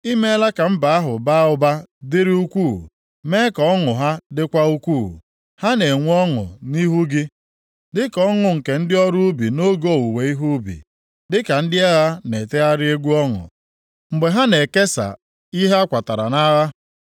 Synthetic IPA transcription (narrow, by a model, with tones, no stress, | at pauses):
i˦me˦la˦ka˨m̩˦ba˨a˦ɦʊ˨ba˦ʊ˦ba˦dɪ˦ɾi˦u˦kʷu˦˨ | me˦kɔ˦ŋʊ˨ɦa˦dɪ˦kʷa˦u˦kʷuː˦˨ | ha˦ne˨ŋʷu˦ɔ˦ŋʊ̰˨ni˦ɦu˦ɡɪ˦ | dɪ˦kɔ˦ŋʊ˨ŋ̩˨ke˨n̩˦dɪ˦ɔ˦ɾʊ˦u˦bḭ˨no˦ɡo˦˨wu˨we˨i˦ɦu˦bḭ˨ | dɪ˦ka˨n̩˦dɪ˦e˦ɣa˦ne˨te˦a˦ɾɪ˦e˦ɡʷu˦ɔ˦ŋʊ̰˨ | ŋ͡m̩˨ɡ͡be˨ɦa˦ne˨ke˦sa̰˨ | i˦ɦe˦a˦kʷa˨ta˨ɾa̰˨na˦ɣa˦